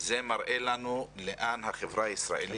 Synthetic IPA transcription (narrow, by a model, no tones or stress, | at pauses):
zemaʁʔelanuleʔanɦaχevʁaaisʁa̰ʔeli